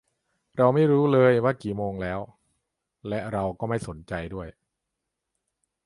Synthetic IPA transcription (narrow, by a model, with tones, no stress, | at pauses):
ɾa˧wma˥˩jɾuː˦˥lɤː˧jwaː˥˩kiː˨˩moː˧ŋlɛː˦˥w | lɛ˦˥ɾa˧wkɔː˥˩ma˥˩jso˩˦nt͡ɕa˧jdu˥˩əj